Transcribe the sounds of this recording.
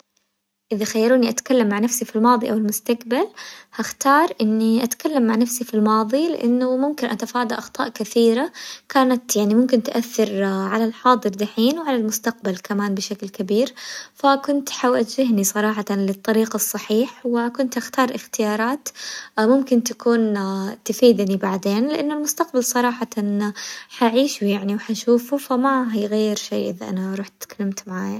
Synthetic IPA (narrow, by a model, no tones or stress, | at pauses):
ʔɪðaxajːɑɾuːniʔat̪kalːamːaʕnafsifilmɑːðˤiʔawɪlmʊst̪akbalhaxt̪ɑːɾˤʔɪnːiʔat̪kalːamːaʕnafsifilmɑːðˤilɪ̰ʔanːʊmʊmkɪnʔat̪afɑːd̪ˤiʔɑxt̪ˤɑ̰ːʔkɪθiːɾakaːnat̪jaʕnimʊmkɪnt̪ʔaθːɑɾʕalalħɑːd̪ˤɨɾd̪aħiːnwʕalalmʊst̪aq̚balkamaːnbɪʃaklkabiːɾfakʊnt̪ħawat̪d͡ʒɪɦnisˤɑɾˤɑːħɑt̪ɑnlɪt̪ˤːɑɾiːqɑsˤːɑħiːħwɪkʊnt̪ʔaxt̪ɑːɾˤʔɪxt̪ɪjɑːɾˤɑːt̪mʊmkɪnt̪akuːnt̪afiːd̪nibaʕd̪eːnlɪʔanːʊlmʊst̪aq̚balsˤɑɾˤɑːħɑt̪anħaʕiːʃujaʕniwħaʃuːfufamaɦiːɣajːɪɾʃḛːʔɪ̰ðaʔa̰naɾˤuːħt̪ɪ̥t̪kalːamt̪maʕaːja